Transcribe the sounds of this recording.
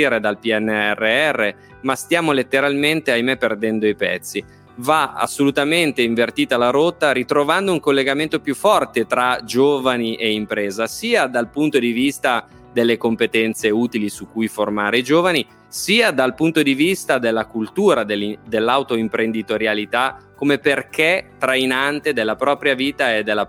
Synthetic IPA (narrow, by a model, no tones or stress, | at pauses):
iɾed̪alpiɛnːɛrːeɛrːe | mast̪jaːmolet̪ːeɾalment̪eajmepːerd̪ɛnd̪oipɛ̰t̪sːi | vaa̰sːolut̪ament̪eiɱvert̪iːt̪alaɾot̪ːaɾit̪ɾovand̪ouŋkolːeɡament̪opjufːɔrt̪et̪ɾad͡ʒoːvaniʔeimpɾeːzasiːad̪alpunt̪od̪ivist̪a | d̪elːekompet̪ɛnt̪seuːt̪ilisukːujformaːɾeid͡ʒoːvani | siːad̪alpunt̪od̪ivist̪ad̪elːakult̪uːɾad̪eld̪elːawt̪oimpɾend̪it̪oɾjalit̪akːomeperket̪ɾainant̪ed̪elːapɾɔːpɾjaviːt̪aed̪ːelːa